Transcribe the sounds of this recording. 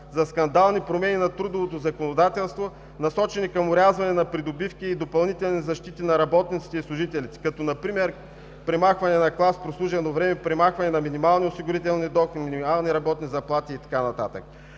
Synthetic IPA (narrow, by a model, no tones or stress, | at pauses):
zɐskɐnd̪alˠnipɾomɛninɐt̪ɾud̪ovot̪ozɐkonod̪at̪ɛlˠst̪vo | nɐsɔt͡ʃɛnikɐmʊɾʲazvɐnɛnɐpɾid̪obifkiːd̪opɐlˠnit̪ɛlˠnizɐʃt̪it̪inɐɾɐbɔt̪nit̪si̥t̪ɛislˠʊʒit̪ɛlit̪i̥kɐt̪ɔnɐpɾimɛɾ | pɾɛmaxvɐnɛnɐklˠaspɾoslˠuʒɛnovɾɛmɛpɾɛmaxvɐnɛnɐminimalˠniosiɡʊɾit̪ɛlˠnid̪ɔxminʲimalˠniɾɐbɔt̪nizɐplˠat̪iːt̪ɐ̥kanɐt̪a̰t̪ə̰k̚